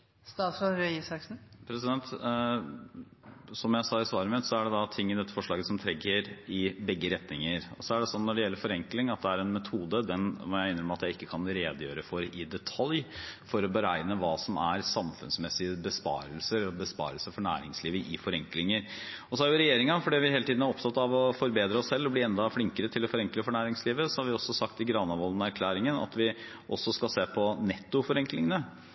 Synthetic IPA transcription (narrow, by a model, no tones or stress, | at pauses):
st̪ɑːt̪sfɾɔnɾœʏɪsɑksn̩pʰɾɛsɪd̪ɛnt̪ | sɔmjæɪsɑːɪsʋɑːɾəmɛt̪sɔæɖɛd̪ɑt̪ʰɪŋːɪd̪ɛt̪ːə̥fɔʂɭɑːɡəsɔmt̪ʰɾɛɡːəɾɪbɛɡːəɾɛt̪nɪŋəɾɔ̰sɔæɖɛsɔnːɔɖɛjɛlːəɾfɔɾɛŋklɪŋɑt̪̚d̪ɛæɾɛnmɛt̪ʰuːd̪əd̪ɛnʋɔɾjæɪɪnːɾəmɛɑt̪jæɪɪkːəkʰɑnɾeːd̪əjøːɾəfɔɾɪd̪ɛt̪ʰɑljfɔɾɔbəɾæ̰ɪnəʋɑːsɔmæ̰ɾsɑmfʉnsmɛsɪəbəspɑ̰ːɾəlsəɾbəspɑ̰ːɾəlsəfɔɳæ̰ːɾɪ̰ŋsliːʋəʔɪfɔɾɛŋklɪŋəɾɔsɔhɑɾjʊɾɛjeːɾɪŋɑfɔɖiːʋɪheːlət̪iːd̪n̩æɾɔp̚t̪ʰɑt̪ːɑʋɔfɔɾbeːd̪ɾəɔsːɛlːɔblɪɛnd̪ɑfɽɪŋkəɾət̪ʰɪlɔfɔɾɛŋkləfɔɳæːɾɪŋsliːʋəsɔhɑɾʋɪɔsːɔsɑkt̪ɪɡɾɑnɑʋɔlnɔæɾkʰlæːɾɪŋənɑ̰t̪ʋɪ | ʔɔsːɔskɑlseːpʰɔnɛt̪ːʊfɔɾɛŋklɪŋənə